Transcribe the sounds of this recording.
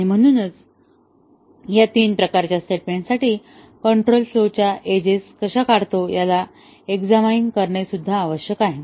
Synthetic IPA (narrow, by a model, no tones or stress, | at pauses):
aɽ̃im̤əɽ̃uːnət͡s | jat̪iːnpɾəkaɾt͡ɕjasʈeʈ̚mẽɳʈsaʈiː | kəɳʈɾolslot͡ɕjaʔed͡ʑeskəɕakaɽt̪ojala | eɡd͡zamaiŋkəɾɳasud̪ʱːaːʋəɕjəkaɦe